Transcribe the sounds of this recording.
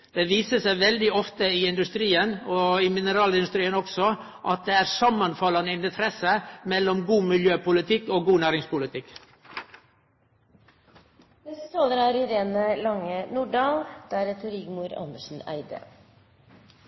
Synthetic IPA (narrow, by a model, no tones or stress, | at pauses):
d̪̥eːʋiːsəsæɪʋɛld̪ɪɔft̪əɪɪnd̪ʉst̪ɾiːənoːɪmɪnəɾɑːlɪnʉst̪ɾiːənɔksɔ | ʔɑt̪̚d̪eːæːɾsɑmːɑnfɑlɑnəɪnt̪ʰɾɛsəmɛlɔmɡuːmɪljøːpʊlɪt̪ʰɪkːoːɡuːnæːɾɪŋspʊlɪt̪ʰɪk | d̪ɛsət̪oːd̪əɾɑɾɪɾeːnəlɑŋːənuːɖɑːld̪̥æɾɛt̪ʰʊɾɪɡmuːɾɑ̰nd̪əʂn̩æ̰ɪd̪ə̰